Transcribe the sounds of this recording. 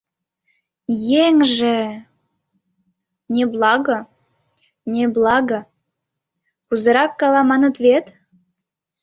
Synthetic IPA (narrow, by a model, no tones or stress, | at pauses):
jeŋʒe | nʲeblˠɑɣə̆ | nʲeblˠɑɣə̆ | kuzə̆ɾɑkːɑlɑmɑnə̆t̪βet̪